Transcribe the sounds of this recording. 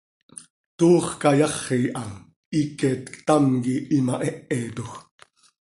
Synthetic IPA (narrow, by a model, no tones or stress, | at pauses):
t̪uːχkɑjɑχiːʔɑ | ikɛːt̪kt̪ɑmkiʔimaʔɛʔet̪ux